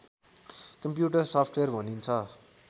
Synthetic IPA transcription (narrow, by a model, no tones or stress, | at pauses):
kʌmpjuʈʌrsʌpʰʈʰwerbʱʌnint͡sʰʌ